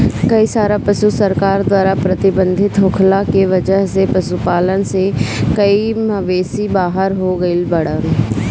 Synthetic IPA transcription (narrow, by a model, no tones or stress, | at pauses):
kɐisaːɾapɐʃusəɾkaːɾd̪waːɾapɾɐt̪ɪbə̃nd̪ʱɪt̪ɦʊkʰlakeʋɐd͡ʒəɦsepɐʃupaːlənsekɐimɐʋeːsibaːɦəɾɦoɡɐilbɐɽə